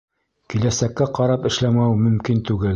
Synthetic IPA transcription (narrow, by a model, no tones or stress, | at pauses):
kilæsækːæqɑɾɑpɘ̆ʃlæmæwmɵ̆mkint̪ʉɡɘl